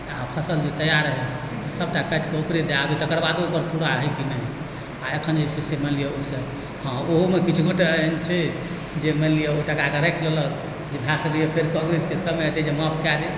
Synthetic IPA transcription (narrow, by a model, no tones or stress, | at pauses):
apʰəsəld͡ʒet̪əjaɾəɦɛ | t̪ɔsəb̚ʈakəʈkeupɾed̪eabit̪əkəɾbad̪oupəɾpuɾaɦəjkinɛɦ | aekʰənd͡ʒəsʰɛseməlijəosə | hãoɦomekit͡ʃʰuɡoʈeəɦnt͡ʃʰɛ | d͡ʒeməlijəoʈakakeɾəkʰlələk | d͡ʒebʱasəlijepʰeɾkɔ̃ŋɡɾeskesəmət̪ed͡ʒemɔpʰkad̪e